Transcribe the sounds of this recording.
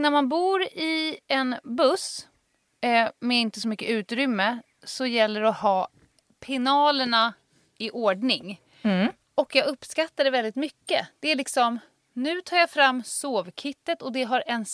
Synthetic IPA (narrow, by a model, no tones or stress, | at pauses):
næɾmanbuːɾɪɛnbɵs | mɛɪnt̪əsɔmʏkːəʉ̟ːt̪ɾʏmːə | sɔjɛlːəɾɔhɑː | pʰɪnɑːləɳa | ɪʔoːɖɳɪŋ | ɔkjɑːɡɵpːskat̪ːaɖɛvɛld̪ɪt̪mʏkːəd̪̥ɛæɭɪksɔm | nʉ̟ːt̪ʰɑːɾjafɾamːsoːvkʰɪt̪ːət̪ɔd̪ɛɦaɾɛn